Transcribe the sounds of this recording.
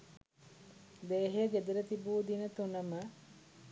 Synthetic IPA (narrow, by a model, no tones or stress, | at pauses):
d̪eːɦeɡed̪iɾət̪ibuːd̪inət̪unɐmɐ